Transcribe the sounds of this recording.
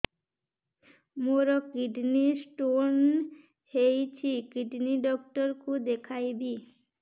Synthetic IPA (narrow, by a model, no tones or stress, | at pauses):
moɾokiɖnisʈon | hejt͡ɕʰikiɖniɖɔkʈoɾkud̪ekʰajbi